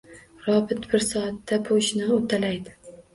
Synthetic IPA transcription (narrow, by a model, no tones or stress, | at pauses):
ɾɒbɪt̪bɪɾsɒat̪ːapʰoʃnɪot̪ʰːalajd̪ɪ